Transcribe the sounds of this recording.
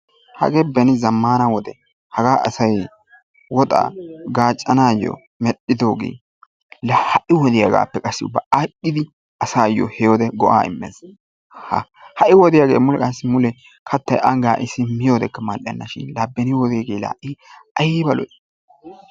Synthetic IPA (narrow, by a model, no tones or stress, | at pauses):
hɐ̰ɡeːbɛnɪzɐmːaːnɐwɔd̪ɛ | hɐɡaːʔɐ̰sɐj | wɔt̪ʼa̰ːɡaːt͡ʃʼːɐnaːjːo̰ | mɛɗɪd̪o̞ːɡḛː | lɐhɐʔɪwɔd̪ɪjaɡa̰ːpːɛkʼɐsːɪʊ̰bːɐʔakʼːɪd̪ɪ | ɐsaːjo̰hɛjod̪ɛɡɔʔa̰ːɪ̰mːḛːs | hɐ̰hɐʔɪwɔd̪ɪjaɡḛːmʊlɛkʼɐsːɪmʊlɛ | kʰɐt̪ːɐjʔɐŋɡaːʔɪsɪmɪjoːd̪ɛkːɐmɐlʔɪjɐ̰nːɐʃɪ̰nlaːbːɛnɪwɔd̪ɪɡeːla̰ːʔɪʔɐjɪbɐlɔ̰